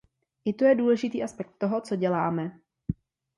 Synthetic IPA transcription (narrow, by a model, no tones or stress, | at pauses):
ʔɪt̪ojɛduːlɛʒɪt̪iːʔaspɛk̚t̪ːoɦo̞t͡so̞ɟɛlaːmɛ